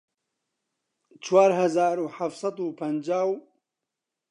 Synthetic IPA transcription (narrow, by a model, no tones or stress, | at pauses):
t͡ʃwaːɾhazaːɾuħafsˤɑd̪uːpʰɐnd͡ʒaːw